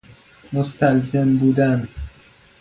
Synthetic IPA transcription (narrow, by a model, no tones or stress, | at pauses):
most̪ʰælzembuːd̪æn